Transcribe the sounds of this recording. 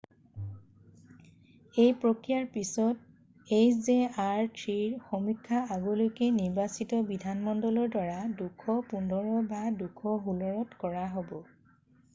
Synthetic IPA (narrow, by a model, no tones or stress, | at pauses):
ejpɹɔkɹijaɹpisɔt̚ | ejzeaɹtʰɹiɹxɔmikʰːaaɡolojkeniɹbasitɔbidʱanmɔndɔlɔɹdwaɹadukʰɔpundʱɔɹɔbadukʰɔɦulɔɹɔtkɔɹaɦobɔ